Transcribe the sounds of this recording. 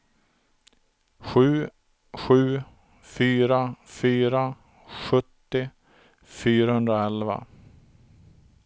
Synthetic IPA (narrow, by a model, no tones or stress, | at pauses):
ɧʉ̟ː | ɧʉ̟ː | fyːɾafyːɾa | ɧɵt̪ːɪ | fyːɾahɵnd̪ɾaɛlva̰